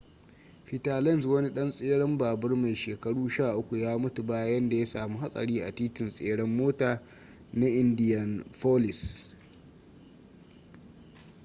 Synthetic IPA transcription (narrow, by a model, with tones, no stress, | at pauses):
ɸi˨taː˨lɛ˦˨nswɐ˦ni˦ɗɐ˦nsʼeː˦ɽɐ˦mbaː˨bɐ˦rma˨jʃeː˨kɐ˦ɽuː˦ʃaː˦˨ʔʊ˦kʷu˨jaː˦mʊ˦tu˨baː˦jɐ˦nda˨ja˦saː˨mu˦ɦa˦sʼɐ̰˨ɽiː˦ʔa˨tiː˦tɪ˨nsʼeː˦ɽɐ˦mːoː˦taː˨ | na˦ʔɪ˦ndɪ˦jɐ˨nɸoː˦lɪ˨s